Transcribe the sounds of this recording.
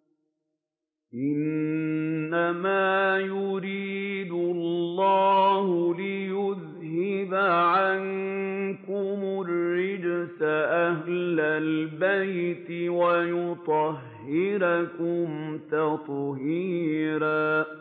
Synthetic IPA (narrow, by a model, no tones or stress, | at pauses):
ʔɪnː | amaːjʊɾiːd̪ʊllːɑːhʊlɪjʊð | hɪbaʕaŋ | kʊmʊrːɪd͡ʒsaʔaɦlalbajt̪ɪwajʊt̪ˤɑɦːɪɾakʊmt̪ɑt̪ˤhiːɾaː